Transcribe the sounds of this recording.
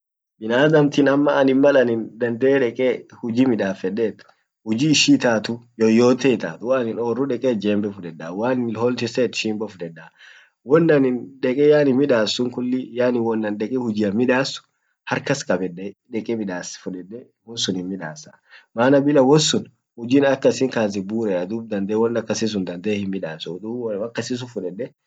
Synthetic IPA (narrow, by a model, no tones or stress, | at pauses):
bɪnaːd̪ɐmt̪ɪnɐmːɐːnɪnmɐlɐnɪnd̪ɐnd̪ɛːᶑɛkʼehʊd͡ʒimɪᶑaːfɛdeːt̪ | hʊd͡ʒiːʃiːt̪aːt̪ʊjɔjoːt̪ɛɪt̪a̰ːt̪ʊwaːnɪnoːrːʊᶑɛkʼeːd͡ʒeːmbɛfʊᶑɛdaːwaːnɪlhɔlt̪ɪseːt̪ʃiːmbɔfʊd̪ɛdːaː | wɔnːɐnɪnᶑɛkʼɛjaːnɪmɪᶑaːsːʊŋkʊlːɪjaːnɪwɔnːɐnɗɛkʼɛhʊd͡ʒɪːɐmɪᶑaːsʊ̥ | hɐɾkɐskʼɐbɛːɛᶑɛkʼɛmɪᶑaːsfʊᶑɛdːɛ | wɔnsʊnhɪnmɪᶑaːsa | maːnɐbɪlɐwɔnsʊn | hʊd͡ʒiːnɐkːɐsɪŋkaːs̬ɪbuːɾɛɐd̪uːb̚d̪ɐnd̪eːwɔnːɐkːɐsis̬ʊnd̪ɐnd̪eːhɪmmɪᶑaːsʊd̪ʊɐkːɐsɪs̬ʊfʊᶑɛdːɛ